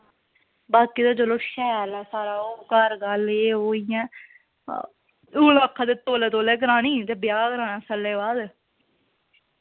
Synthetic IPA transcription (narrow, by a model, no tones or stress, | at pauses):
baːkiːd̪aːd͡ʒəloːʃɛːɾaːsaːɾaːoːkəɾɡəleːɦoːɪjã̰ː | uːlaːkʰːãːd̪eːt̪oːleːt̪̬oːleːkəɾaːnĩːt̪eːbɪjaːkəɾaːnãːsəlːeːʋaːd̪